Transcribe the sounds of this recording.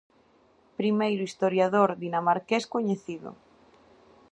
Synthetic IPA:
pɾimejɾʊist̪oɾjaðoɾðinamaɾkeskoɲeθiðʊ̰

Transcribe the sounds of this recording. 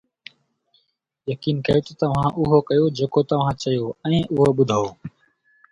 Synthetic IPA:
jəkiːnkɐjoːt̪ət̪ɐʋ̤ãːʔʊɦoːkəjoːd͡ʒeːkoːt̪ɐʋ̤ãːt͡ʃɐjoːɛ̃ːʔʊɦoːɓʊd̪ʱaːoː

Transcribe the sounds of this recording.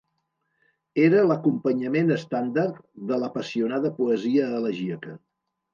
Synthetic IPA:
eɾələkumpəɲəmenəst̪and̪art̪ðələpəsiunað̞əpuəziəːləʒiəkə

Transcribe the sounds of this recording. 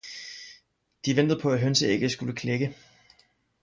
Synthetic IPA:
d̥iʋend̥ð̩ˠpʰɒ̽æɦønsəe̝ɡ̥əsɡ̥uləkʰleɡ̥ə

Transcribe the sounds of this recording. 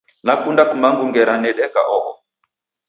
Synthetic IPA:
nakundakumaŋɡuŋɡɛɾanɛɗɛka̰ʔɔʔɔ̰

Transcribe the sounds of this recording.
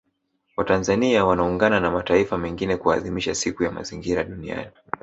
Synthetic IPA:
watanzaniawanauŋɡananamataifamɛŋɡinɛkuaːðimiʃasikujama̰ziŋɡiɾaɗunia̰ni

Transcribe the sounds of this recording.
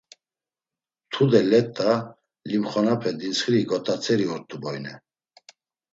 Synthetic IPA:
t̪ʰud̪ɛlɛt̪ʼːa | limχɔnapʰɛd̪insχɾiɡɔt̪ʼat͡sʰɛɾiɔɾt̪ʼːubɔjnɛ

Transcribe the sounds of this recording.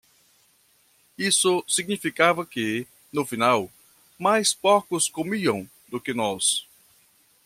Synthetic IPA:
isʊsiɡnifikavɐkɪ | nʊfinaw | majspokʊskomiɐ̃w̃ | d̪ʊkɪnɔs

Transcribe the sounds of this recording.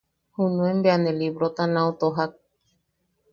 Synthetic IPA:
hunũẽmbeanẽliβɾot̪anãot̪oɦak̚

